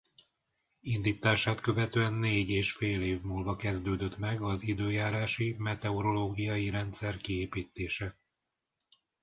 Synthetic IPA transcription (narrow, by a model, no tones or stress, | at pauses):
ind̪iːt̪aːʃaːt̪køvɛt̪øɛnːeːɟeːʃfeːleːvmuːlvɒkɛzd̪øːd̪øt̪mɛɡɒzid̪øːjaːɾaːʃimɛt̪ɛoɾo̞loːɡijɒjiɾɛnt̪sɛrkieːpiːt̪ːeːʃɛ